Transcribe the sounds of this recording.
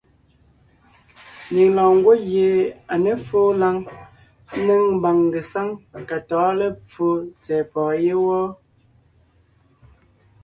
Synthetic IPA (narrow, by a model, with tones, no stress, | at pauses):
ni˨ŋlɔ̃ː˨ŋ˦ɡwo˦ɣje˨a˨ne˦foː˦la˦ŋ˦ | ne˦ŋm˦ba˨ŋɡe˨sa˦ŋ˨ka˨tɔː˨˦le˦p͡fo˦t͡sɛː˨pɔː˨je˦wɔ˦